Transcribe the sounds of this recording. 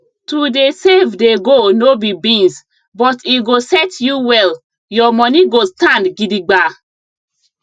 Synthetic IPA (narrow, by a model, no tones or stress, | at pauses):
tudesevdeɡonobibĩns | bɔtʰiɡosɛtjuwɛl | jɔmɔniɡostãndɡidiɡ͡ba